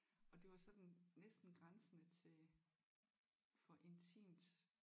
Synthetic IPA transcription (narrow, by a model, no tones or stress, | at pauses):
ɒ̽d̥e̝ʋɑ̈sɒ̽d̥n̩nesd̥n̩ɡ̥ʁansənət͡sʰe̝ | fɒ̽ʔe̝nt͡sʰḭːmd̥